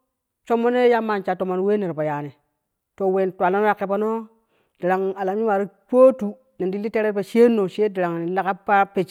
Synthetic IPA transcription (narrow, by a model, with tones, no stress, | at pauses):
t͡ʃo˦mːo˦ne˦ja˦ma˨nt͡ʃa˨to˨ma˨n˨we˦ne˨ɾpa˨ja˨ne˨ | to˨we˨ntwa˨lo˦no˦ja˨ke˨pa˦no˦ | d̥i˨ɾa˨ŋa˨la˨m˦i˦wa˨ɾi˦k͡po˦tu˨ | ne˨ndi˦li˦te˦ɾe˦ɾpe˨ʃe˦nːo˨ʃe˦di˨ɾa˨ŋ˨ni˨la˦ka˦pːa˦pe˨t͡ʃ